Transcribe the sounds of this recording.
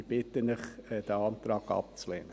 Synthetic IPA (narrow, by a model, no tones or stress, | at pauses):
b̥ɪt̪ənɪχɛd̥æɑnt̪ɾɑːɡɑ̰p̚t͡sleːnə